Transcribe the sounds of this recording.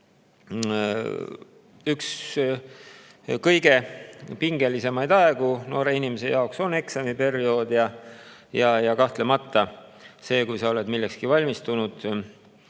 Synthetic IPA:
yks | kɤjɡe̞piŋɡe̞lise̞mɑjd̪̥ɑeɡ̥uno̞ːɾe̞inimese̞̰jɑo̞kso̞ne̞ksɑmipe̞rio̞ːd̪̥jɑjɑjɑkɑht̪le̞mɑt̪ːˑɑse̞ːkujsɑo̞le̞d̪milːekskivɑlʲmist̪unud̪̥

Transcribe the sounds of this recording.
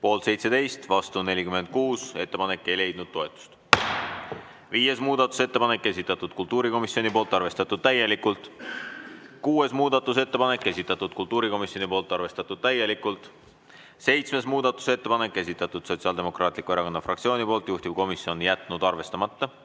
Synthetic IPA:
po̞ːlt̪sejt̪se̞d̪e̞jst̪vɑst̪une̞lʲikyme̞nd̪̥̚kuːse̞t̪ːe̞pɑne̞kːe̞jle̞jd̪̥nud̪̥̚t̪o̞et̪ːˑu̥st̪ | viːje̞smuːd̪ɑt̪ːˑu̥se̞t̪ːe̞pɑne̞kːe̞sʲit̪ːˑɑt̪ːˑud̪̥kult̪uːɾiko̞misio̞nipo̞ːlt̪ːˑɑrve̞st̪ɑt̪ːˑud̪̥̚t̪æje̞likult̪ˑ | kuːe̞smuːd̪ɑt̪ːˑuse̞t̪ːe̞pɑne̞kːe̞sʲit̪ːˑɑt̪ːˑud̪̥̚kult̪uːɾiko̞misjo̞nipo̞ːlt̪ːˑɑrve̞st̪ɑt̪ːˑud̪̥̚t̪æje̞likult̪ˑ | se̞jt̪sme̞smuːd̪ɑt̪ːˑu̥se̞t̪ːe̞pɑne̞kˑːe̞s̬ʲit̪ːˑɑt̪ːˑud̪̥so̞t̪sʲɑld̪e̞mo̞krɑːt̪ʲˑlikːue̞ɾɑkonːɑfrɑk̚tsio̞ːnipo̞ːlt̪ˑjuht̪ib̥̚ko̞misio̞njæt̪nud̪ɑrve̞st̪ɑmɑt̪ːɑ

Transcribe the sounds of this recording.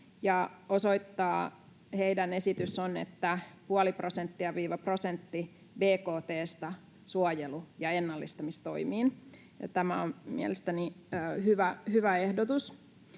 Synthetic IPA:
jɑosoit̪ːɑː | heidæne̞sit̪ysːonḛt̪ːæpuɑliprosent̪ːiɑʋiːʋɑprosent̪ːi | beːkoːt̪eːst̪ɑ | suɑjelujɑenːɑlːist̪ɑmist̪o̞̰imiːn̰ | t̪æmæommḭɛæ̰lest̪æniːhyʋæhyʋæehdot̪us

